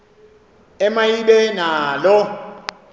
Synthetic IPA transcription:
ɛmajiɓɛnaːlɔ

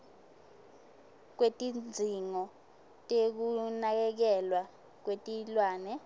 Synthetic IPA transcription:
k̬wetʼind͡zʱiŋɔ | tʼek̬unak̬ɛk̬ɛlwa | k̬wetʼilwaːnɛ

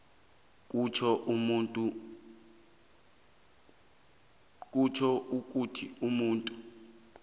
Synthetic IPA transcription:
kut͡ʃʰɔmutʼu | kʼut͡ʃʰɔʔuk̬ʼutʰiumuːntʼu̥

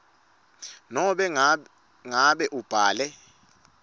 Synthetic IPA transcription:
nɔɓɛ | ŋaɓɛʔub̥ʱaːlɛ

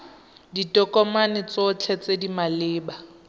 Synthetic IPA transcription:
ditʼɔkʼɔmanɪt͡sɔt͡ɬʰɛt͡sedimalɪːba

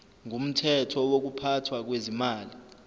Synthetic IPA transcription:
ŋum̩tʰɛtʰɔwok̬upʰatʰwak̬wezimaːli

